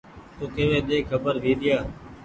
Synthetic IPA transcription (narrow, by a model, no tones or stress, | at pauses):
t̪oːkeːʋẽːɗ̪eːkʰːəbəɾʋiːɗ̪ɪjaː